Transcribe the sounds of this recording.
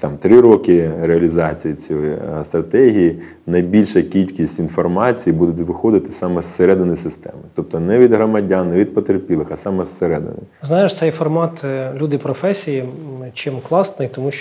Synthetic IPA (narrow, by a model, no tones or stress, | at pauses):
t̪ɑmt̪ɾɪɾɔkɪɾeɐlʲizɑt͡sʲijit͡sʲjɔjist̪ɾɐt̪ɛɦʲiji | nɐjbʲilʲʃɐkʲilʲkʲisʲtʲinfɔrmɑt͡sʲijibud̪ʊt̪ʲʋɪxɔd̪ɪt̪ɪ̥sɑmɛsseɾɛd̪ɪnɪjsɪst̪ɛ̰mɪt̪ɔp̚t̪ɔnɛʋʲid̪ɦɾɔmɐdʲanːɛʋʲid̪̚pɔt̪erpʲilˠɪxɐsɑmɛsːeɾɛd̪ɪ̰nɪ̰jznɑjɪʃt̪sɛjfɔrmɑt̪lʲud̪ɪpɾɔfɛsʲijit͡ʃɪmklˠɑsnɪjt̪ɔmuʃ